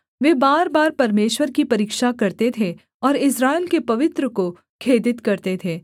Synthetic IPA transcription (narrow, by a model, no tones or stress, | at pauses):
ʋeːbaːɾbaːɾpɐɾmeːʃwəɾkipɐɾiːkʃakɐɾt̪et̪ʰe | ɔːɾɪsɾaːɪlkepɐʋɪt̪ɾəko | kʰeːd̪ɪt̪kɐɾt̪et̪ʰeː